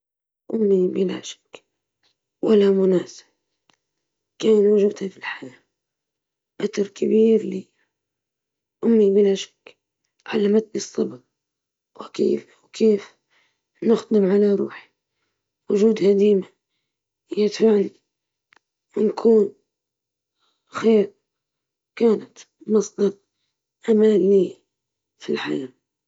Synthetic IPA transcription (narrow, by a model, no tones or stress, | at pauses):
ʔʊmːibɪla̰ːʃɪ̥k | walamʊnaːsɪ̥b | kaːnwʊʒud̪hafilħajaː | ʔat̪ɑɾˤkabiːɾli | ʔʊmːibɪlaːʃḁk | ʕalamat̪̚lɨsˤːɑbɾ | wkḛːf | wkʰeːf | nʊxd̪ɪmʕalaɾˤṵːħi̥ | wʊʒuːd̪had̪iːma | jɪt̪fani | wɪnkʰuːn | xeːɾ | kaːnat̪ | mɑsˤd̪ɑɾˤ | ʔamaːnːi | filħa̰jaː